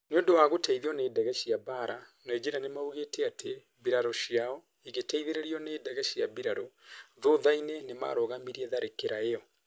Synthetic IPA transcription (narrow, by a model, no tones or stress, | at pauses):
neoːndowaɣotaiðiɔneːdɛɣɛʃiaβaːɾanɔed͡ʒeɾanemauɣetʰɛatʰe | βiɾaɾɔʃiaɔ | iɣetaiðeɾeɾiɔneːdɛɣɛʃjaβiɾaɾɔðoðainenema̰ɾɔɣamiɾiɛðaɾekeɾaeɔ